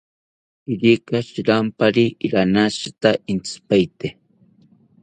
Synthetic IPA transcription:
iɾikaʃɾampaɾiɾanaʃḁt̪aint͡spajt̪e

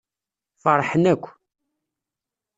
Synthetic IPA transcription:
fəɾˤːħənækʷː

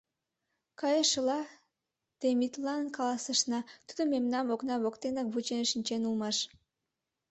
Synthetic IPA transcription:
kɑjəʃəlɑ | t̪emit̪lɑnkɑlɑsəʃnɑt̪ud̪omemnɑmoknɑβokt̪enɑk̚βut͡ɕenʃinʲt͡ɕenulmɑʃ

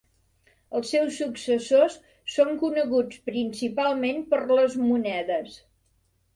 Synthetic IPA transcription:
əlˠsːɛwsːuksəsosː | oŋkunəɣut͡spɾinsipalˠmenpərləzmunɛðəs

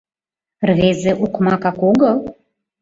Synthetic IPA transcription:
rvezeʔukmɑkɑkoɡɤ̆

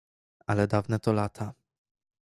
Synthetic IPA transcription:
alɛd̪avnɛt̪ɔlat̪ʰa

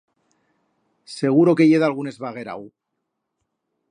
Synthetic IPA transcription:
se̞ɣ̞uɾo̞keʝe̞ðalɣune̞zβaɣ̞e̞ɾa̰w

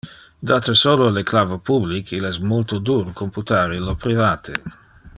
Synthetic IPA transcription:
d̪at̪esoːloleklavopublikʰilɛsmolt̪od̪uːɾkomput̪aːɾilopɾivaːt̪ʰe

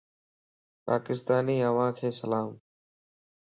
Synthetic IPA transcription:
pa̰ːkɪst̪aːniːəʋãːkʰeːsəlaːm

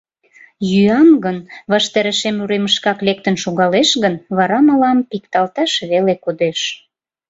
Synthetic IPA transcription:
jyɑmɡənβɑʃt̪ɑɾəʃemuɾeməʃkɑklek̚t̪ənʃuɣɑleʃɣənβɑɾɑmɑlɑmpikt̪ɑlt̪ɑʃβelekud̪eʃ

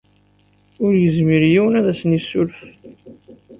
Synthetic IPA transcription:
ʊɾjəzmiɾjiwənæðæsənisːʊlf

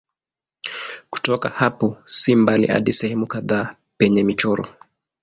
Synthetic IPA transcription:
ku̥tɔkahapɔsimbalḭʔa̰ɗisɛhɛmukaðaː | pɛɲɛmit͡ʃɔɾɔ̰

